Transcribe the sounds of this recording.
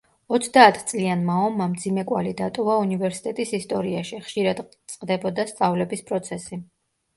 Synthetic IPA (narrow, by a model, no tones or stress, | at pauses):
ɔt̪sʰd̪aːt̪ʰt̪sʼlianmaɔmːamd̪zimɛkʼwa̰lid̪at̪ʼɔvaunivɛɾsi̥t̪ʼɛt̪ʼisist̪ʼɔɾiaʃiχʃiɾad̪t̪sʼqʼd̪ɛbɔd̪ast̪ʼavlɛbispʼɾɔt̪sʰɛsi